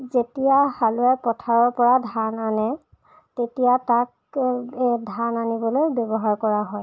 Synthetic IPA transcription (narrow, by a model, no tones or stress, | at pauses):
zetijahaluɛpɔtʰaɹɔɹpɔɹadʱananɛ | tetijatak̚ | dʱananibɔlojbjɔbɔɦaɹkɔɹaɦɔj